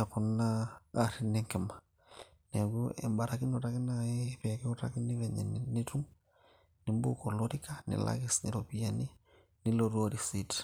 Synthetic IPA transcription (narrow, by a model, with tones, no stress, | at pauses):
a˨ku˨nːa˦aɾine˦ŋke˨ma | ne˨ɡuḛ˨mba˨ɾaki˦notaki˦naipekɛ˦u˦ta̰ki˦ni˦ve˨ɲḛ˨nini˦tu˦ŋ | ni˨mbuko˨loɾika˦nḭ˨la̰ɡisni˨ɾopijani˦ | ni˦loɾuo˦ɾisit